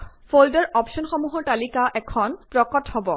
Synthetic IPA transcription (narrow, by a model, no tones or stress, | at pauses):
fʰoldɔɹʔɔpʃɔnxɔmuɦɔɹtalikaʔɛkʰɔnpɹɔkɔthɔbɔ